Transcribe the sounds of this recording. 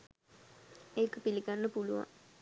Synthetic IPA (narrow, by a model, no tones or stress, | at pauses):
ekəpiliɡanːəpuluʋa̰ŋ